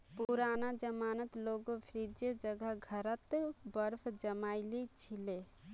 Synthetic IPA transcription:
puɾanad͡ʒəmanət̪loːɡopʰɾid͡ʒed͡ʒəɡəɦɡʱəɾət̪bəɾpʰd͡ʒəmaːɪlit͡ʃʰile

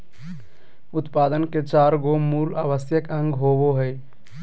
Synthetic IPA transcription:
ʊt̪paːd̪ənket͡ʃaːɾɡomuːlaːʋəsjəkə̃ŋɡɦoːboɦəj

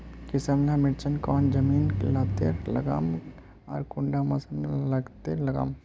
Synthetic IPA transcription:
kɪsəmlamɪɾt͡ʃənkɔːnd͡ʒɐmiːnlaːt̪ḛɾlɐ̰ɡa̰ːm | ɐ̰ːɾkʊɳɖamɐsənlɐɡt̪elɐɡa̰ːm

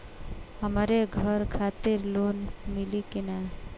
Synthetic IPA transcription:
həmɾeɡʱəɾkʰat̪iɾlonmilikina

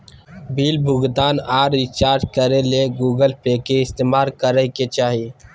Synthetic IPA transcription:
biːlbʱʊɡd̪aːnaːɾːit͡ʃaːɾʈkəɾeleɡuːɡəlpekeɪst̪eːmaːlkəɾəɦket͡ʃaːɦi

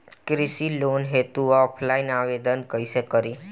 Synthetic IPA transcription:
kɾisilonɦet̪uɔpʰlainaʋed̪ənkəjsekəɾi

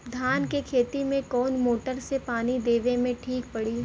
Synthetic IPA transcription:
d̪ʱaːnkekʰeːt̪imẽkɔːnmoːʈəɾsepaːnid̪eːʋẽmẽʈʰiːk̚pɐɽi

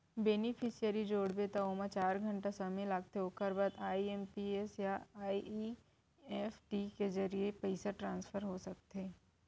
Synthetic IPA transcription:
beːnɪpʰisijəɾid͡ʒoːɽbet̪aomãt͡ʃaːɾɡʱɐ̃ɳʈasɐmelaɡ̚t̪eokɐɾbad̪aːiempiesjaaːii | eːfʈikezɐɾiepɐɪsaʈɾãːnsfʰəɾɦosɐk̚t̪eː

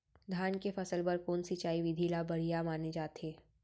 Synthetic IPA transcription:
d̪ʱaːnkefɐsəlpɐɾkoːnsit͡ʃaːiʋɪd̪ʱilabɐɽ̤ijamaːned͡ʒaːt̪ɦeː

